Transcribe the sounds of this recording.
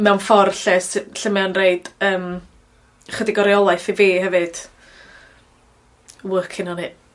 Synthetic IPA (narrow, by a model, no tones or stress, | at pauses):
mɛwnfɔrɬɛsɬəmɛanreɨd̥əːm | χədɪɡɔɾjɔlˠaɨfiveːɦɛvɨd̥ | wəkʰɪnɔni